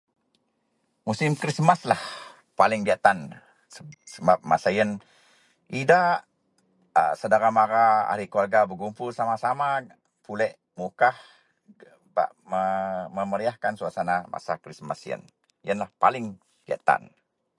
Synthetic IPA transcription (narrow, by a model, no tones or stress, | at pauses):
musɪmkɾismaslah | palɪŋbiaʔt̪an | səsəbap̚ma̰sajən | idaʔ | əsədaɾamaɾaa̰ɾikuarɡabəɡumpʊlsamasama | pulɛʔ | mukah | ba̰ʔməməməɾiahkansuasanamʔa̰sakɾismasjə̰n | jənlahpa̰lɪŋ | bia̰ʔt̪a̰n